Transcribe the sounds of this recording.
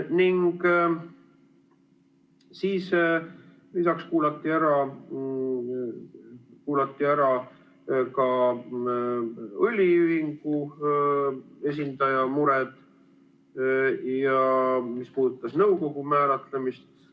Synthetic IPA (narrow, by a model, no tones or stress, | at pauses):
niŋɡ̥ | siːs | lisɑkskuːlɑt̪ˑːiæɾɑ | kuːlɑt̪ːˑiæɾɑ | kɑ | ɤlʲiyɦiŋɡ̥u | e̞s̬ʲind̪ɑjɑmuɾɛd̪̥ | jɑmispuːd̪ut̪ːˑɑsnɤwko̞ɡ̥umæːlɑt̪lemist̪